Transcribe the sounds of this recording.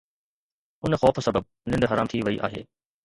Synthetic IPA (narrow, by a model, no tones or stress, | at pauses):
ʊnəxɔːfsɐbəb̚ | nɪ̃nd̪ɦɐɾaːmt̪ʰiʋɐiʔa̰ːɦḛː